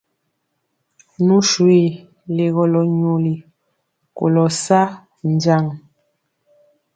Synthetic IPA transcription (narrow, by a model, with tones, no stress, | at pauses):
nu˦ʃwi˦˨ | le˨ɣɔ˨lɔ˨ɲo˨li˨ | ko̰˨lɔ˨sa˦ | n˨d͡ʒa˦˨ŋ